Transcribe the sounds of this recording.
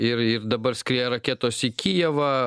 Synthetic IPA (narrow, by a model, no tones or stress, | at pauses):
ɪrɪrd̪ɐbɐrsʲkʲɾʲeːjɛɾɐkʲeːt̪oːsikʲijɛʋɐ